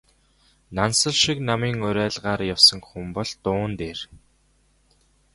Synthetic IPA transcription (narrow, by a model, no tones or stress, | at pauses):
nansə̆ɮʃiknamiːŋʊɾæːɮʁaːrjawsə̆ŋxumpɔɮt̪ʊːnt̪eːr